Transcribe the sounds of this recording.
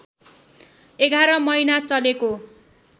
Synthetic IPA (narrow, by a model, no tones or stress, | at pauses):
eɡʱaɾʌmʌjnat͡sʌleko